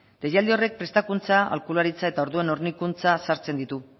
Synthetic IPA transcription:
d̪̥e̞jald̪io̞re̞k̚pɾe̞st̪akunt͡saa̰lkulaɾit͡sae̞t̪ao̞ɾðue̞no̞ɾnikunt͡sasaɾt͡se̞nd̪it̪u

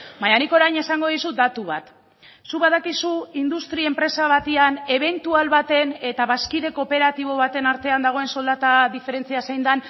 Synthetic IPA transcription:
majaniko̞ɾajne̞saŋɡo̞ðisud̪at̪uβ̞at̪ | suβað̞akisuind̪ust̪ɾie̞mpɾe̞saβ̞at̪iane̞βe̞nt̪ualβat̪e̞ne̞t̪aβaskið̞e̞ko̞pe̞ɾat̪iβ̞o̞β̞at̪e̞naɾt̪e̞and̪aɣo̞e̞nso̞ld̪at̪aðife̞ɾe̞nt͡siasejnd̪an

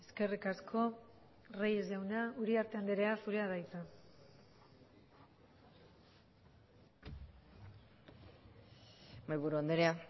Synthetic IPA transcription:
eske̞rikaskʰo̞ | rejezʝawnauɾiaɾt̪e̞and̪eɾe̞asuɾeaðajt͡sa | majβuɾuand̪eɾea

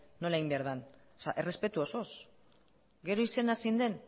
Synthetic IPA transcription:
no̞laimbeaɾðan | saʔe̞re̞spe̞t̪uosos | ɡe̞ɾo̞ise̞nasind̪e̞n

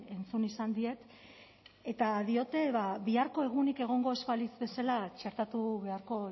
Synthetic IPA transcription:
e̞nt͡sunisand̪ie̞t̪ | e̞t̪aðio̞t̪e̞βaβiaɾko̞e̞ɣ̞unike̞ɣ̞o̞ŋɡo̞e̞spalizbe̞salat͡ʃe̞ɾt̪at̪uβe̞aɾko̞

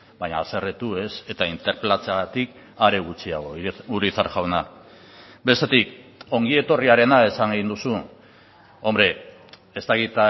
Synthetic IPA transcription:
baɲaːse̞ret̪ue̞se̞t̪aint̪e̞ɾplat͡sat̪ik | aɾe̞ɣ̞ut͡siaɣ̞o̞uɾiθaɾʝawna | be̞st̪e̞t̪iko̞ŋɡie̞t̪o̞riaɾe̞nae̞saŋɡeind̪usu | o̞mbɾe̞ | est̪aɣit̪a

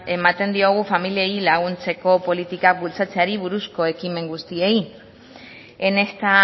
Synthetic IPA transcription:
e̞mat̪e̞nd̪io̞ɣ̞ufamilieilaɣunt͡se̞ko̞po̞lit̪ikak̚bult͡sat͡seaɾiβuɾusko̞e̞kime̞ŋɡust̪ie̞i | e̞ne̞st̪a

